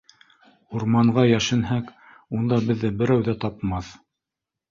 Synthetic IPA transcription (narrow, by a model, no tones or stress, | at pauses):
uɾmɑɴʁɑjæʃɘ̆nɦæk | und̪ɑbɘ̆ðːɘbɘ̆ɾæwðæt̪ɑpmɑθ